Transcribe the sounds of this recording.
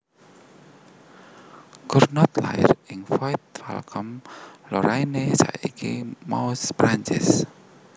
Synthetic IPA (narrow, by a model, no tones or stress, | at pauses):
kʊrnɔt̪laɪ̰rɪŋfait̪̚fɛ̰lkʰɔmlɔɾainesa̰ikʰimawspɾaɲt͡ʃɪs